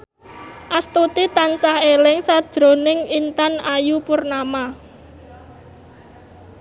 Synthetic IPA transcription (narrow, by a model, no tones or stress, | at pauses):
ʔast̪ut̪it̪ansahelɪŋsad̥ʒ̥ɾo̤nɪŋint̪anajupʊrnama